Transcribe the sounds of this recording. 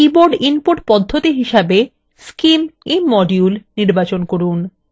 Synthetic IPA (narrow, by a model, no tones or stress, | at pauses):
iboɾɖinpoɾʈpɔd̪ʱːot̪iɦiʃabe | skimiːɔɖjulniɾbat͡ɕonkoɾun